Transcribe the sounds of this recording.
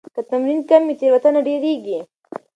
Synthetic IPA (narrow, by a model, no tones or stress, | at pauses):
kɐt̪ɐmɾinkɐmːit͡ʃeʋɐt̪ɐnɐɖeːɾiːɡi